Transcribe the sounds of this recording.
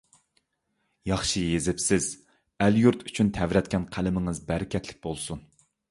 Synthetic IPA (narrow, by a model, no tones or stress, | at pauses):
jɑχʃɨjezɪpsɪz̥ | æljuɾt̪ʰyt͡ʃʰynt̪ʰɛvɾɛt̪ʲkʲʰɛnqʰælɪmɪŋɨzbæɾɪkʲʰɛt̪ʰlɪ̥k̚ʲbolˠsun